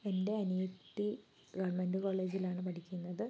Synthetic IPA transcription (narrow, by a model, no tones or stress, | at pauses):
e̞nde̞ɐnujut̪ːi | ɡɐʋɐrmenɖɨko̞ːɭːe̞ːd͡ʑilaːɳɨpɐʈʰikʲːunːɐðɨ